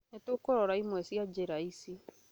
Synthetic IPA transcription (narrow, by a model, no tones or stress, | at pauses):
netokoɾɔɾaimwɛsjad͡ʑeɾaisi